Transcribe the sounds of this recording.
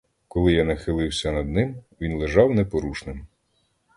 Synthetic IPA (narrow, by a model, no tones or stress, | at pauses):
kɔlˠɪjanɐxɪlˠɪwsʲɐnɐd̪̚nɪmʋʲinlˠeʒɑwnɛpɔɾuʃnɪm